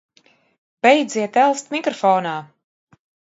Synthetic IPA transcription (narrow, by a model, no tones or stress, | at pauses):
b̥ɛjd̪ziɛt̪ɛlˠst̪mikɾɔfɔːnaː